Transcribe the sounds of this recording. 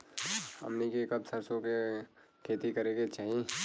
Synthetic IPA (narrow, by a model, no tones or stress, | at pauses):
hɐ̰mnikekɐbsɐɾsõke | kʰeːt̪ikɐɾeːɡet͡ʃaːɦie